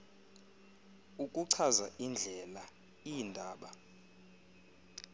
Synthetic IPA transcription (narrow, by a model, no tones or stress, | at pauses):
ukʼuǀʰazaʔind͡ɮʱɛla | indʱaːɓa